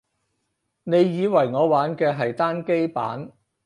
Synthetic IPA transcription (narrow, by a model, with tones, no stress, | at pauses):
ne˨˧jjiː˨˧wɐ˨˩jŋɔː˨˧waː˨˥nkɛː˧ɦɐ˨jt̪aː˥nke˥jpa̰ː˨˥n